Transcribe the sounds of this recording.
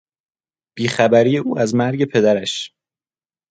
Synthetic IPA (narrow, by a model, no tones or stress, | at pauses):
b̥iːxæbæɾijeʔuːæzmæɾɟe̞pʰe̞d̪æɾæʃ